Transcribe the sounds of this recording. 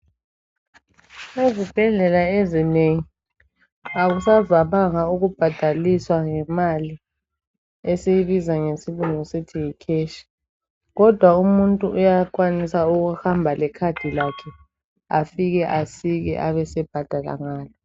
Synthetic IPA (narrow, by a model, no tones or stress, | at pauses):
ezib̥ʱɛɮɛlaezineŋi | aɣusavaβaŋauɣub̥ʱad̥ʱaliswaŋɛmali | ɛsejiβizaŋesiluŋisitʰijikʰeːʃi̥ | ɣɔd̥ʱwaumuntʼuʔujaǃwanisauɣuhambʱalɛkʰad̥ʱilakʰɛ | afiɣɛʔasiɣɛ̰ʔa̰βɛsɛb̥ʱad̥ʱala̰ŋaːlɔ